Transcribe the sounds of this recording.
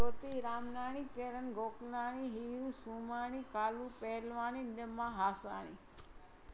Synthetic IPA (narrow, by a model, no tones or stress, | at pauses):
ot̪iɾaːmnaːɽ̃ikeɾənɡʱoːknaɽ̃iɦiɾusumañikaːlũpɛɦlʋaninəmãɦasa̰ɽ̃ḭ